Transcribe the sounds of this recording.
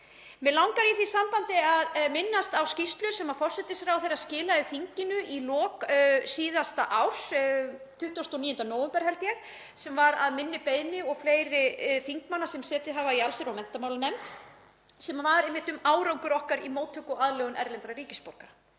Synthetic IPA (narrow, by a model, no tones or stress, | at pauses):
mɛlawŋkaɾiθisampant̪ɪaðmɪnːast̪awscist̪lʏsɛmaðfɔr̥sɛt̪ɪsfɾawθejɾascɪːlaɪθiɲcɪnʏʔilɔːksiːðast̪aʔawst̪ʰʏht̪ɔst̪oniːjʏnt̪anɔːwɛmpɛɾ̥hɛlt̪jɛx | sɛmvaɾaðmɪnːɪpeːjðnɪɔɣfleːjɾɪθiŋkmanːasɛmsɛːt̪ɪɦavaialsɪɾawmɛn̥t̪amaːwlanɛmt̪ | sɛmvaɾemːɪht̪ʏmaːwɾawŋkʏɾɔhkaɾimoːwt̪ʰhʏkʏaðlɛɣʏnɛɾlɛnt̪ɾarɾiːcɪspow̥ka